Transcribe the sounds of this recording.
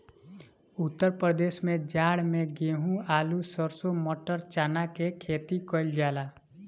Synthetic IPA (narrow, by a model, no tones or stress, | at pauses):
ʊt̪ːəɾpɾəd̪eːʃmẽd͡ʒaːɽmẽɡeːɦũaːlusəɾsomoːʈəɾt͡ʃaːnakekʰeːt̪ikɔld͡ʒaːlaː